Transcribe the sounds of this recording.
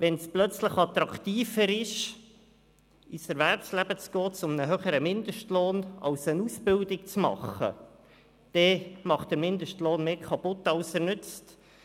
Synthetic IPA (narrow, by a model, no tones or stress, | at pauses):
ʋɛnsplœt͡sləχɑt̪ɾɑkt̪iːfəɾɪʃ | ɪsɛɾvɛɾpslæbət͡sɡ̥ɔːt͡sʊmnəɦøχəɾəmɪnd̪əʃtloːnɑ̰lsənusbɪldɪk̚t͡smɑ̰χə̰ | d̥ɛmɑχt̚d̥əɾmɪndəʃtloːnmeːkʰɑpʊtːɑlsɛɾnʏt͡st